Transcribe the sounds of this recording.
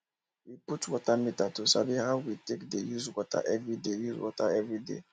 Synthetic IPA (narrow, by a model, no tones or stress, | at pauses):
wiputwɔtamitatusabiɦaʊwitekdejuzwɔta̰ʔɛvɾidejuzwɔ̰taɛvɾidḛ